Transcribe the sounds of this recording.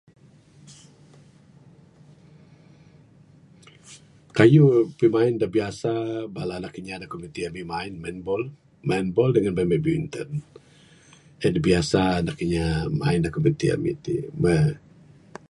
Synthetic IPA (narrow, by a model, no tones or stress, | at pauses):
kajupəmaɪndabiasabalalakiɲadakomit̪iamimaɪnmanbɔl | manbɔldəŋanbamɛʔbiunt̪ən | ədabiasanakiɲama̰ɪndakomit̪ia̰mḭt̪ḭmə